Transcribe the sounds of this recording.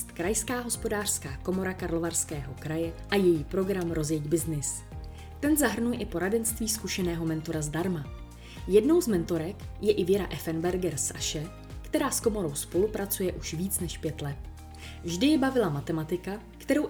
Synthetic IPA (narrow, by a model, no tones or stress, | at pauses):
st̪kɾajskaːɦo̞spo̞daːr̥skaːko̞mo̞ɾakaɾlo̞varskɛːɦo̞kɾajɛʔajɛjiːpɾo̞ɡɾamɾo̞zjɛɟbɪznɪs | t̪ɛnzaɦr̩nujɛʔɪpo̞ɾadɛnst̪viːskuʃɛnɛːɦo̞mɛnt̪o̞ɾazdaɾma | jɛdno̞wzmɛnt̪o̞ɾɛkjɛʔɪvjɛɾa̰ʔɛfɛnbɛɾɡɛɾsʔa̰ʃɛ | kt̪ɛɾaːsko̞mo̞ɾo̞wspo̞lupɾat͡sujɛʔuʃviːt͡snɛʃpjɛt̪lɛt̪ | vʒdɪjɪbavɪlamat̪ɛmat̪ɪka | kt̪ɛɾo̞w